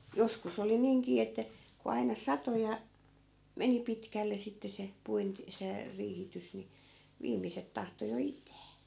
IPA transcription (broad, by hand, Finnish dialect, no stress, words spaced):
joskus oli niːŋkiː etːæ ku ɑinɑ sɑto jɑ meni pitkælːe sitːe se puint se riːhitys ni ʋiːmiset tɑhto jo itˑæː